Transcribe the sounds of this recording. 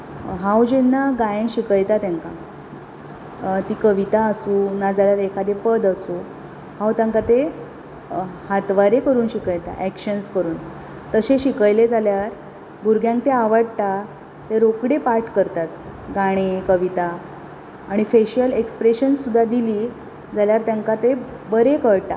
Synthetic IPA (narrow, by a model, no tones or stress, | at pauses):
ɦãwd͡ʑenːaɡãjẽɕikəjt̪at̪jãŋka | t̪iːkəʋit̪aəsuːnad͡zaɾjaɾekʰad̪epəd̪əsuː | hãwt̪jãŋkat̪e | hat̪ʋaɾekəɾuːnɕikəjt̪a̰ʔækɕənskəɾuːn | t̪əɕeɕikəjled͡zaljaɾ | bʱuɾɡʱjãŋk̚t̪eaʋəɽt̪a | t̪eɾokɽepaɾʈkəɾt̪at̪̚ | ɡaɽ̃ekəʋit̪aː | ɽ̃ifeɕəlekspɾeɕənsːud̪ʱːad̪iliː | d͡zaljaɾt̪jãŋkat̪e | bəɾekəɭt̪a̰